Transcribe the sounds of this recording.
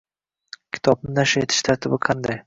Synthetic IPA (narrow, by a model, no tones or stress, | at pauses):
kʲʰɪ̥t̪ʰɒb̚nɪnaʃaet̪ʰɪ̥ʃt̪ʰaɾt̪ʰɪbɪqʰɑnd̪aj